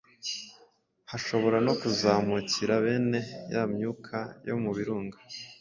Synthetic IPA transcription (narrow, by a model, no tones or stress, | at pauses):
haʃo̞βo̞ɾano̞kuzaːmuciɾaβe̞ːne̞jamɲuːkʰajo̞̰muβiɾuːŋɡḁ